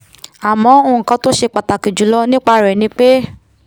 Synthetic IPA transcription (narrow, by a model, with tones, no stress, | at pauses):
a˨mɔ̃˨˧˦õ˧˨˧kã˧˦to˦ʃe˧k͡pa˨ta˨ki˨d͡ʒu˨˦lɔ˦nĩ˦k͡pa˧˦ɾɛ˨nĩ˧k͡pe˦